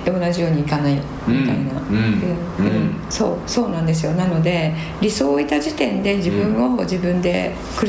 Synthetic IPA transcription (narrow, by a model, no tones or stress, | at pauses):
eo̞naʑijo̞ːɲ̟iːkanai | mʲit̪a̰ina̰ɯ̟ | ɯ̃ | so̞ːso̞ːnãnd̪e̞s̬ɨjo̞nano̞d̪e̞ | ɾʲiso̞ːit̪aʑit̪ẽ̞nd̪e̞d͡ʑibɯ̟̃ɰ̃od͡ʑibɯ̟̃nd̪e̞̰ | kɯɾ